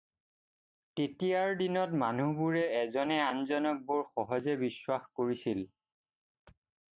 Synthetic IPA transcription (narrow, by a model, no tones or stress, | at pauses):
tetijaɹdinɔtmanubuɹɛɛzɔnɛanzɔnɔk̚boɹxɔɦɔzɛbiswaxkoɹisil